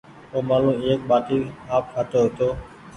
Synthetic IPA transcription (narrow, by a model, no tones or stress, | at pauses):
oːmaːlũːeːk̚ɓaːʈiːaːp̚kʰaːt̪oːɦot̪oː